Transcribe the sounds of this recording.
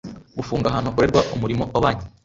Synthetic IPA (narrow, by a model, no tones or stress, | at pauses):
ɡufuːŋɡaɦanokuɾeɾɡwaʔomuɾimoʔaβaːɲi